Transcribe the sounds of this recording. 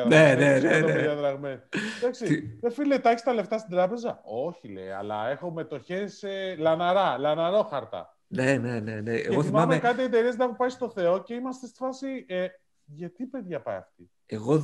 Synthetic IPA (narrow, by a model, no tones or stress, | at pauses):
ɐðnenenet̪ejɐðɾɐɣmesðɐksiðefilet̪ɐçist̪ɐle̞ft̪ɐst̪id̪ɾɐpe̞zɐo̞çilḛjɐ̰lɐ̰e̞xo̞me̞t̪o̞çe̞selɐnɐɾɐlɐnɐɾo̞xɐɾt̪ɐ̰ | neneneneeɣeɣoθimmamekɐt̪̬ied̪e̞ɾisnɐxopɐjst̪o̞θe̞o̞ce̞imɐst̪est̪i̥fɐsie | ʝɐt̪ipe̞ðʝɐpɐ̰jɐ̰ft̪i | eɣo